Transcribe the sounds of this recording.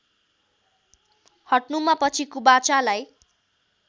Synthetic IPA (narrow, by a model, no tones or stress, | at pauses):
hʌʈnumapʌt͡sʰikubat͡salaj